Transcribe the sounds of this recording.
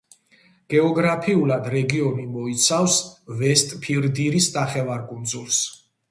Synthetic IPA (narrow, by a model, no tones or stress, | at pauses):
ɡ̥ɛɔɡɾapʰiulˠad̪ɾɛɡiɔnimɔit̪sʰavsvɛst̪ʼpʰiɾd̪iɾisnaχɛvaɾkʼund̪zulˠs